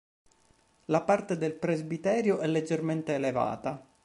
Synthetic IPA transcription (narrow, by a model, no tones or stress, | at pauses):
lapart̪ed̪elpɾezbit̪ɛːɾjoʔɛlːed͡ʒːerment̪eːleva̰ːt̪a